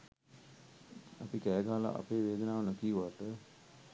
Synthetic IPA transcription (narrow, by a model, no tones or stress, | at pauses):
apikɛːɡaːala̰ʔa̰peːʋeːd̪ənaːʋənokiʋaʈ̪ə